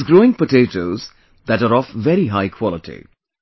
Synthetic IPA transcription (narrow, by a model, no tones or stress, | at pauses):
zɡɾoɪ̃ŋpəʈetoʊz | d̪æʈaɾɔvʋɛɾiɦaɪkʰwɔləʈʰḭ